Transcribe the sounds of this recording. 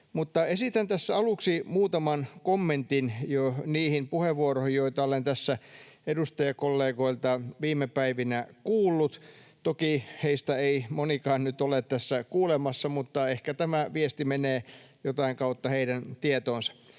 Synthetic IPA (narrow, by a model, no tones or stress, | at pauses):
mut̪ːɑesit̪ænt̪æsːæɑluksimuːt̪ɑmɑnkomːent̪injoniːhimpuheʋːuorohijoit̪ɑolent̪æsːæ | edust̪ɑjɑkolːeːkoilt̪ɑʋiːmːˑepæiʋinækuːlːut̪ | t̪okiheist̪æeimonikɑːnnyt̪olet̪t̪æsːækuːlemɑsːɑmut̪ːɑehkæt̪æmæʋiest̪imeneːjot̪ɑiŋkɑut̪ːɑheiɾænt̪iet̪oːnsɑ̥